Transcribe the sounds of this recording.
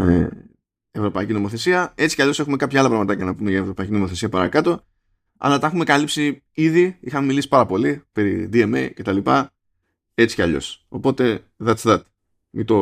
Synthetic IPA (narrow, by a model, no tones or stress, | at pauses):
ḛ | evɾo̞pɐicino̞mo̞θe̞siɐe̞t͡si̥cɐʎo̞se̞xume̞kɐpçɐɐlɐpɾɐɣmɐt̪ɐcɐnɐpumeʝɐevɾo̞pɐicino̞mo̞θe̞siɐpɐɾɐ̰kɐt̪o̞ | ɐ̰lɐt̪ɐexume̞kɐlipsi | iðiixɐmemilisi̥pɐɾɐpo̞lipe̞ɾid̪iemḛjce̞t̪ɐlipɐ | e̞t͡si̥cɐʎo̞̰so̞po̞t̪e̞ | ðɐt͡ssðɐt̪i̥ | mit̪o̞